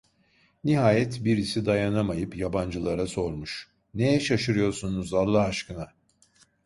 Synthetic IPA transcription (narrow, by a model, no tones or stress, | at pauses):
niɦaːjɛt̪biɾisid̪ajanamajɯpjaband͡ʒɯlˠaɾaso̞ɾmuʃ | nejɛʃaʃɯɾɯjo̞ɾsunuzaɾlˠaɦaʃkɯna